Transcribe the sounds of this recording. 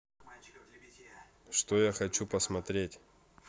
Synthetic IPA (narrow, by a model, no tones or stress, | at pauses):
ʂt̪ojaxɐt͡ɕupəsmɐt̪ɾʲetʲ